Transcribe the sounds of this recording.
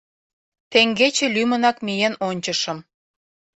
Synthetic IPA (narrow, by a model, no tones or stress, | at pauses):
t̪eŋɡet͡ɕĕlymə̆nɑkmijenonʲt͡ɕə̆ʃə̆m